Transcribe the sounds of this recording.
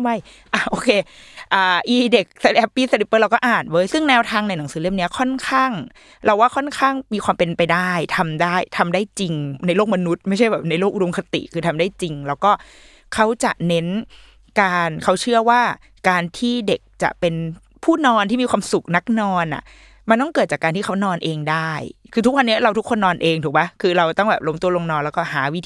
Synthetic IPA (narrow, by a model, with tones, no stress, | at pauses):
wa˧˩j | ʔa˧˩ʔoː˧kʰeː˧ʔaː˨˩ʔiː˧˩de˨˩k̚sa˧ʔɛː˦˥pːiː˦˥˩sa˧li˦pːɤː˥˩ɾa˧wkɔː˥˩ʔaː˨˩nwɤː˦˥jsɯ˥˩ŋnɛː˧wt̪ʰaː˧ŋna˧jna˩˦ŋsɯː˩˦le˥˩˨mni˦˥ɐkʰɔ˥˩nkʰaː˥˩ŋ | ɾʔa˧waː˥˩kʰɔ˥˩nkʰaː˥˩ŋmiː˧kʰxwaː˧mpe˧npa˧jdaː˥˩jt̪ʰa˧mdaː˥˩jt̪ʰa˧mdaː˥˩jt͡ɕi˧ŋna˧jloː˥˩k̚ma˧nu˦˥t̪̚ma˥˩jʰt͡ɕʰjbɛː˨˩p̚na˧jloː˥˩k̚ʔu˧do˧mkʰa˧t̪ḭ˨˩ʔkʰɯː˧t̪ʰa˧mdaː˥˩jt͡ɕi˧ŋlɛː˦˥wkɔː˥˩ | kʰa˦˥wt͡ɕa̰˨˩ʔne˦˥n | kaː˧nkʰa˦˥wt͡ɕʰɯ˥˩ɐwaː˥˩ | kaː˧nt̪ʰiː˥˩de˨˩k̚t͡ɕa̰˨˩ʔpe˧n | pʰuː˥˩nɔː˧nt̪iː˥˩miː˧kʰwaː˧msu˨˩k̚na˦˥k̚nɔː˧nʔa̰˨˩ʔ | ma˧nt̪ɔ˥˩ŋkɤː˨˩t̪̚t͡ɕa˨˩kːaː˧nt̪ʰiː˥˩kʰa˦˥wnɔː˧nʔeː˧ŋdaː˥˩jkʰɯː˧t̪ʰu˦˥k̚wa˧nːi˦˥ɐɾa˧wt̪u˦˥kʰːo˧nːɔː˧nʔeː˧ŋt̪ʰuː˨˩pa˦˥kʰɯː˧ɾa˧wt̪ɔ˥˩ŋbɛː˨˩p̚lo˦mt̪u˧ɐlo˧ŋnɔː˧nlɛː˦˥kɔː˥˩ɦaː˩˦wi˦˥t̪ʰ